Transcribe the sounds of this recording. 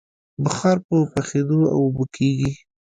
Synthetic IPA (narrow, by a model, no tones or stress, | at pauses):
bəxɑɾpəpaxed̪oa̰wʊbəkʰeɡi